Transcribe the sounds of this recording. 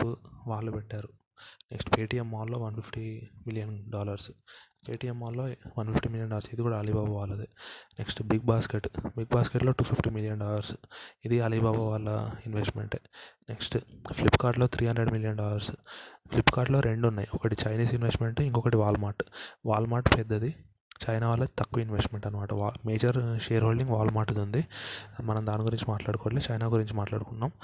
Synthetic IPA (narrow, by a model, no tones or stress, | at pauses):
uʋaːɭːupɛʈːaːɾu | neksʈpeːʈiːemaːlːo̞ːʋɐnpʰipʈimiljɐnɖaːlɐɾspeːʈiːjemːaːlːoːʋɐnpʰipʈiːmiljɐnɳɖaːlɐɾsid̪ikuːɽaːlibaːbaʋaːlːud̪eneksʈbiɡ̚baːskeʈbiɡ̚baːskeʈlo̞ːʈuːpʰipʈiːmiljɐnɖaːlɐɾsid̪iɐlibaːbaʋaːlːɐ̰inʋesʈmḛɳʈːneksʈplipːkaːɾʈlo̞ːt̪ʰɾiːɦɐnd̪ɾeɖmiljɐɳɖɔːlɐɾsplipːkaːɾʈlo̞ːɾʔe̞ɳɖunːaːjiɔkɐʈit͡ʃɐjniːsinʋesʈme̞ɳʈiŋkɔkɐʈiʋaːlmaːɾʈʋaːlmaːɾʈpɛd̪ːɐd̪i | t͡ʃɐjnaːʋaːlːɐt̪ɐkːuʋɐinʋesʈme̞ɳʈɐnːɐmaːʈɐʋaːmeːd͡ʒɐɾʃeːɾɦoːlɖiŋɡʋaːlmaːɾʈid̪und̪imɐnɐmd̪aːniɡuɾiɲt͡ʃimaːʈlaːɽukɔːlit͡ʃɐjnaːɡuɾiɲt͡ʃimaːʈla̰ːɽukunːaːm